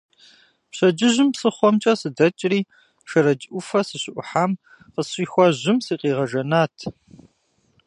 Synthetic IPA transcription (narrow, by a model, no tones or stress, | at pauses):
pɕɐd͡ʒɪʑɪmsɨχʷɔmt͡ʃʼɐsɨdɐt͡ʃʼriː | ʃɐɾɐd͡ʒʼʔʷʊfɐsɨɕɪʔʷʊħaːm | qəsɕiːxʷɔʑɪmsiːqiːʁɐʒɐnaːtʰ